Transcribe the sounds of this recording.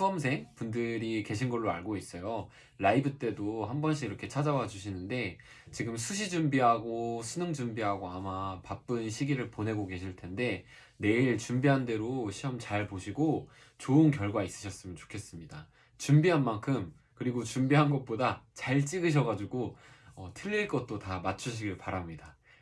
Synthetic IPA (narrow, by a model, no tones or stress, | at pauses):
sʰuʌms̬ʰe̞ŋpundɯɾike̞ɕʰinɡʌɭːoa̰ɭɡois͈ʌjo | laibɯt͈e̞doɦhambʌnɕ̬ʰiɡiɾʌkʰe̞t͡ɕʰad͡ʑawad͡ʑuɕʰinɯnde̞ | t͡ɕiɡɯmsʰuɕ̬ʰid͡ʑumbiɦaɡosʰunɯŋd͡ʑumbiɦaɡoɦamapap͈ɯnɕʰiɡiɾɯɭpone̞ɡoke̞ɕʰiɭtʰe̞nde̞ | ne̞iɭt͡ɕumbiɦande̞ɾoɕʰiʌmt͡ɕaɭpoɕʰiɡo | t͡ɕoɯnkjʌɭɡwais͈ɯ̥ɕʰʌs͈ɯmjʌnt͡ɕo̥kʰe̞s͈ɯmɲida | t͡ɕumbiɦanmaŋkʰɯm | kɯɾiɡot͡ɕumbiɦanɡʌt̚p͈odat͡ɕaɭt͡ɕ͈iɡɯɕ̬ʰʌɡad͡ʑuɡoʌtʰɯʎːiɭk͈ʌt̚t͈otamat͡ɕʰuɕʰiɡiɭpaɾamɲida